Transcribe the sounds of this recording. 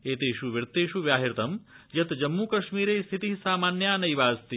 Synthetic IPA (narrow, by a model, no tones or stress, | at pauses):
eːt̪eʃuʋiɾt̪ːeːʃuʋjaːɦiɾt̪ɐmjɐt̪d͡ʒɐmːuːkɐʃmiːɾeːst̪ʰit̪iɦsaːmaːnjaːnɐjʋaːzt̪i